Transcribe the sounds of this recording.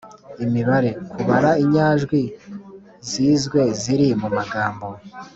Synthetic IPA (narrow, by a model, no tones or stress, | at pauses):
imiβaɾe̞kuβaɾaiɲaːʒɡwi | ziːzɡwe̞ziɾimumaɡaːmbo̞